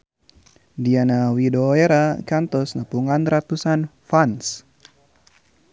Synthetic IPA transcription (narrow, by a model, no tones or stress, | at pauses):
dianawidɔeɾakant̪ɔsnəpuŋanrat̪usanfans